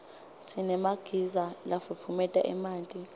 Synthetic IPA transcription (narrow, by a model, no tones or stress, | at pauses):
sinɛmaɡ̥ʱizalafupʰumɛtʼa̰ʔɛ̰maːntʼi